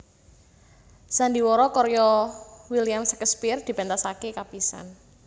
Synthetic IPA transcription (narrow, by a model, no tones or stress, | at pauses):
sand̪iwɔɾɔkɔɾjɔwiljamsɛ̥kəspird̪̥i̤b̥ɛnt̪asakekapisa̰n